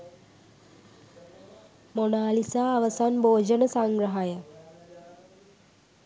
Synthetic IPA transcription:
monaːlisaːʋəsanboːd͡ʒənəsaŋɡɾəɦajə

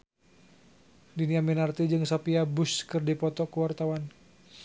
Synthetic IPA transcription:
diniaminart̪id͡ʒɨŋsɔpiabuskɨrdipɔt̪ɔkuwart̪awan

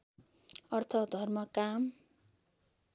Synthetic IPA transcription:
ʌrt̪ʰʌd̪ʱʌrmʌkam

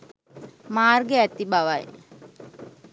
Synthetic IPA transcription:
maːrɡeæt̪ibaʋaj

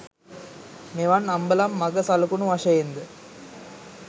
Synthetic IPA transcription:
meʋɐnːɐmbɐlɐmːɐɡɐsɐlkunuʋɐʂɐjend̪ɯ

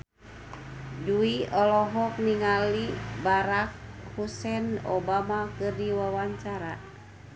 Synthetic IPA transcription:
duiɔlɔɦɔk̚niŋalibaɾak̚husɛnɔ̰bamakɨrdiwawaɲt͡ʃaɾa

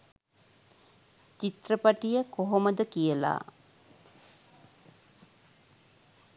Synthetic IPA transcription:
t͡ʃit̪rəpaʈijəkoɦoməd̪əkijəla̰ː

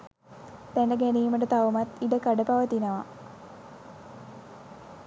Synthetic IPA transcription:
t̪ænəɡænijːməʈət̪aʋumat̪iɖəkaɖəpaʋət̪inəʋa

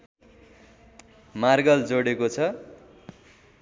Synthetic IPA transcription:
marɡʌld͡zoɽekot͡sʰʌ

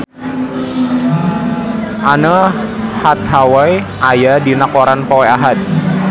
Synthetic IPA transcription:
ʔanəhat̪̚ɦawaj | ʔajadinakoɾanpowɛaɦat̪̚

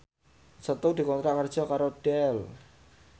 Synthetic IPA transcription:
sət̪ud̪i̤kɔnt̪ɾaʔkərd̥ʒ̥ɔkaɾoɖ̥ɛl

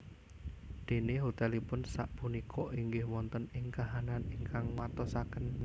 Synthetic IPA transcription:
d̪̥e̤neɦot̪ɛlipʊnsaʔpunikʰɔʔiŋɡɪhmɔnt̪ɔnɪŋkaɦananiŋkaŋwat̪ɔsakən

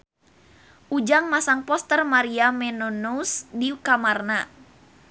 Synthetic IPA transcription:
ʔud͡ʒaŋmasaŋpɔst̪ərmaɾiamɛnɔnuusdiukamarna

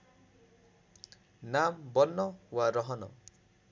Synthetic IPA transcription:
nambɔnːɔwaɾɔɦɔnɔ̰

